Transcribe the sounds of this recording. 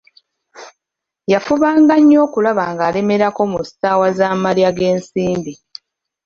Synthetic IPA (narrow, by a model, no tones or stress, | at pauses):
jafuβaːŋɡaɲːo̞ːkulaβaŋɡaːle̞me̞ɾako̞mustaːwazaːmaljaɡe̞ːnsiːmbi